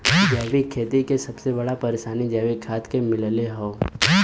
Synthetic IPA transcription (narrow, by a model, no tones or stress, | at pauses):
d͡ʒɛːʋikʰeːt̪ikesɐbsebɐɽapɐɾeːʃaːnid͡ʒɛːʋikʰaːt̪kemɪlleɦõː